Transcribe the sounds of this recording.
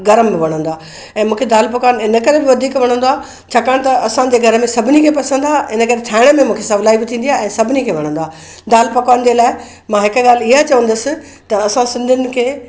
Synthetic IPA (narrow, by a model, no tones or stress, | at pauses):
ɡɐɾəmbɪʋɐɽ̤ə̃nd̪aː | ɛ̃ːmũːkʰed̪aːlp̬ɐkaːnɪnə̆kɐɾebɪʋɐd̪ʱiːkʋɐɽ̃ə̃nd̪oaː | t͡ɕʰaːkaːɽ̃t̪ɐɐsãd͡ʑeːɡʱɐɾəmẽsɐbʱɪnikʰeːpɐsə̃nd̪aːʔɪnəkɐɾet̪ʰaːɪɽ̃əmẽmũːkʰesɐʋlaːibɪt̪ʰĩːnd̪ijaɛ̃ːsɐbʱɪnikʰeːʋɐɽ̤ə̃nd̪aː | d̪aːlpɐkaːnd͡ʑeːlaːɪ | mãːɦɪkɡaːlɪɦat͡ɕɐʋə̃nd̪əsɪ̆ | t̪ɐɐsãsɪ̃nd̪ʱʊnɪ̆kʰeː